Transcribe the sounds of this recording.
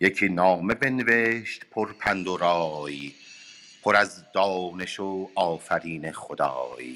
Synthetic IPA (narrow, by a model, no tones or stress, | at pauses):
jecʰiːnɒːme̞be̞neveʃt̪pʰoɾpʰænd̪oɾɒːji | pʰoɾæzd̪ɒːne̞ʃoɒːfæɾiːnexod̪ɒ̰ːj